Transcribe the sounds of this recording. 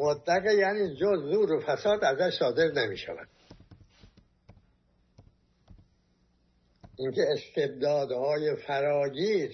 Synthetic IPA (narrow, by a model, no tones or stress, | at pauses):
mod̪ːæɣejæniːd͡ʒozːuːɾofæsɒːd̪æzæʃsɒːd̪e̞ɾnemḭːʃæ̰væ̰d̪̥ | ʔiŋcʰeːst̪ʰe̞b̚d̪ɒːd̪hɒːjefæɾɒːɟiːɾ